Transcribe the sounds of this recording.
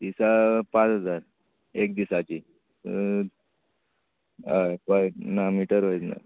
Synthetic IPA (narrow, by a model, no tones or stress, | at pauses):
d̪isapãt͡sɦəd͡zaɾ | ekd̪isat͡ɕi | apajnamiʈəɾʋəjt͡sna̰